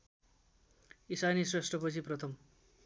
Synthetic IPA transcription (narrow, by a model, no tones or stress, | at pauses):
isanisresʈrʌpʌt͡sʰiprʌt̪ʰʌm